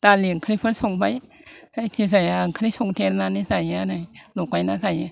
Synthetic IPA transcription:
t̪aːliəŋkʰɾipʰənsoŋbaj | sajt̪ʰis̬ajaŋkʰɾisoŋt̪ʰeɾnanisajanajlokwajnasaja

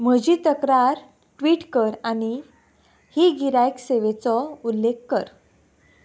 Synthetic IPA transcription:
m̤əd͡ʑiːt̪əkɾaɾ | ʈʋiːʈkəɾañi | hiɡiɾajkseʋet͡sɔulːekːəɾ

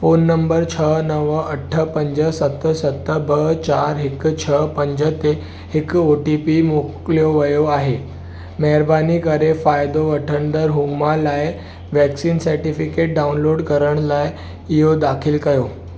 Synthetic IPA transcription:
fonːəmbəɾt͡ɕʰənəʋəəʈʰːəpəɲd͡ʑəsət̪sət̪ːəbəɦt͡ɕaɾɦekt͡ɕʰəpəɲd͡ʑət̪e | hekoʈipimokljoʋəjoaɦe | mɛɾbanikəɾefajd̪oʋəʈʰənd̪əɾɦumalaj | ʋɛksiːnsəɾʈifikeʈ̚ɖaunloɽkəɾəɳlaj | ijod̪akʰiːlkəjo

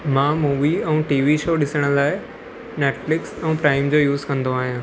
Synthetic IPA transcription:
mãːmuːʋiɛ̃ːʈiːʋiʃoːɗɪsəɽ̃ə̆laːɪ | neːʈflɪksɛ̃ːpɾaːɪmd͡ʑoːjuːzkɐ̃nd̪oaːɦijãː

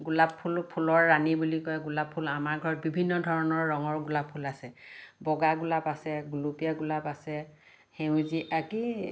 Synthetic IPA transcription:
ɡulabʰulpʰulɔɹːanibulikɔjɡulapʰːulamaɹɡʱɔɹɔt̚bibʱinːɔdʱɔɹɔnɔɹːɔŋɔɹɡulapʰːulasɛbɔɡaɡulapasɛɡulupijaɡulapasɛ | hew̃ziʔaki

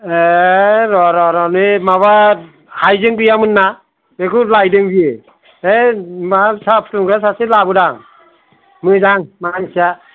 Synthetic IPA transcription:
eɾɔɾɔɾɔnemaβa | hajzɯŋbɯjamɯnːa | bekulajdɯŋbie | emasapʰtuŋɡɾas̬aselabɯdaŋ | mɯdaŋmansija

